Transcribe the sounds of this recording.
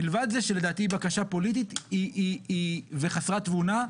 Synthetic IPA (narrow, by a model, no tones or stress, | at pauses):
ilvad̪zeʃele̞daːt̪ibakaʃapo̞lit̪̬it̪iiiveχasʁat̪vuna